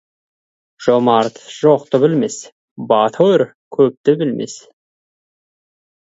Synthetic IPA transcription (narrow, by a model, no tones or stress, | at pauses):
ʒ̥omɑɾt̪ʒ̥oq̚t̪ʊbɪlmes | bɑt̪ʰoɾ | kʲʰɵp̚t̪ɪbɪlmḛs